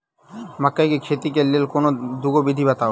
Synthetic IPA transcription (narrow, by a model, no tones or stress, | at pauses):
makːajkekʰet̪ik̬elːelkonod̪uɡobid̪ʱibat̪ao